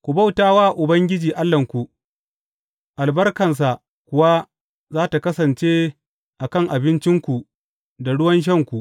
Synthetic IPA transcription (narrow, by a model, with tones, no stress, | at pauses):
kʷu˨ba˦wtaː˦waː˦˨ʔʊ˨bɐ˦ŋɡʲɪ˦d͡ʒiː˨ʔa˦lːɐ˨ŋkʷu˨ | ʔa˨lbɐ˦rkɐ˨ns̬a˨ | kʷʊ˦wa˦ | zaː˦ta˨kɐ˦sɐ˨nt͡ʃeː˦ | ʔa˨kɐ˦˨ŋʔa˨bɪ˦nt͡ʃɪ˦ŋkʷu˨ | da˨ɽʊ˦wɐ˦nʃ̬ɐ˦˨ŋkʷu˨ʔ